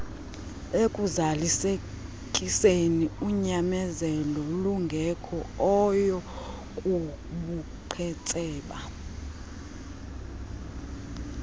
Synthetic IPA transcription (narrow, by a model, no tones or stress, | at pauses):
ekʼuzalise | kʼiseniuɲamɛzɛlɔluŋɡʱɛkʰɔɔjɔ | kʼu | ɓu | ǃʰɛt͡sʼɛːɓa